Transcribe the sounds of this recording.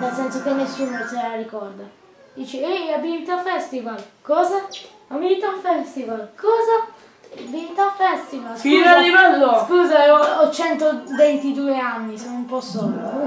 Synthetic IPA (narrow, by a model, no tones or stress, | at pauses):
nɛlsɛnsokenːesːuːnot͡ʃɛɛɾaɾikɔɾd̪a | d̪iːt͡ʃieabilit̪afɛst̪ivalkɔːza | amiɾit̪afɛst̪ivalkɔːza | biit̪afɛst̪ivalsuːzad̪ivalːɔskuːzaɔɔt͡ʃːɛnt̪ovent̪id̪uːɛanːisɔnumpɔsːɔlːu